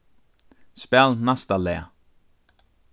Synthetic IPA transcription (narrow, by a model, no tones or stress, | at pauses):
spɛlnast̪alɛa̰